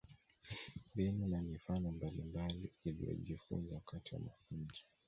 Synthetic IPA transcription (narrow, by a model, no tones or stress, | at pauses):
mbɛnunamifanɔmbalimbaliilḭjɔ̰ʄifṵnzawakatiwa̰mafund͡ʒi̥